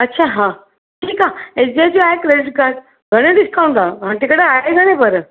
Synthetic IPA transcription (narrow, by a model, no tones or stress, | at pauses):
ɐtːɕʰaɦã | ʈʰiːkaesdiajt͡ɕiaekɾedɪʈ̚kaɾɖ | ɡʱəɽ̃ẽɖɪskaũnd̪aʋãʈ̪ekəɽeaɦeɡʱəɽ̃ẽpəɾ